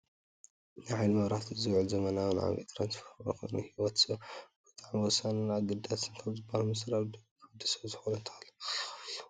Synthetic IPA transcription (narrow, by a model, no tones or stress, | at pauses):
nɨjʕajlmɐβɾaħt̪ʰizɨwʕɨlzɐmɐnawɨn̰ʕa̰βḛt̪ʰɾansfoɾma̰kʰojnuhiwɔt̪b̥ɨt̪ʼaʕmwɔsanɨnʕaɡɨd̪at̪ʰɨnkʰaβzɨbːahalumɐsɾaβd̪ɨkʰad̪isɐzɨxonunt̪ʰɐalɐ